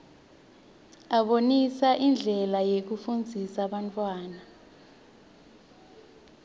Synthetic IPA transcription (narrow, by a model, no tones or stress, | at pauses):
aɓonisaʔind͡ɮʱɛlajek̬ufund͡zʱisaɓantʼwaːna